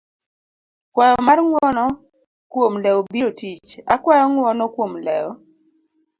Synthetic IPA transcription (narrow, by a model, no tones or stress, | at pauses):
kwɛjɔmarŋwɔnɔ | kwomlɛobiɾotit͡ʃakwɛjɔŋwɔnɔkwomlɛ̰ɔ